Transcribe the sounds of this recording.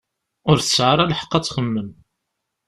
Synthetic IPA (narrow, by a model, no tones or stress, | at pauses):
ʊɾθə̥sʕəɾˤælħə̥qːæt͡sːχəmːəm